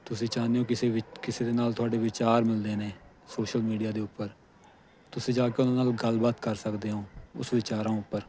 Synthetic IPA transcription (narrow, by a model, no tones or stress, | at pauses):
t̪ʊsĩːt͡ʃaːneɦõːkɪekɪseːd̪eːnaːlt̪ʊaːɖeːʋɪt͡ʃaːɾmɪld̪eːneː | soːʃəlmiːɖijaːd̪eːʊpːəɾ | t̪ʊsĩːd͡ʒaːkeːʊnãːnaːlɡəlbaːt̪kəɾsəkd̪eːɦõːʊ̰sʋɪt͡ʃaːɾãːʊpːəɾ